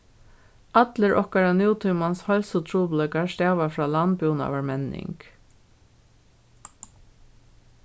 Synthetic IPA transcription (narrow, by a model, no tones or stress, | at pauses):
ʔɑd̪ləɹʔɔkɑɹɑnjuːt̪ʰʏmɑnshɔlsʊt̪ʰɹuːbləkɑʃt̪æːʋɑfɹɑːlɑnbuːnɑ̰ːʋɑɹmɛnɪ̰ŋk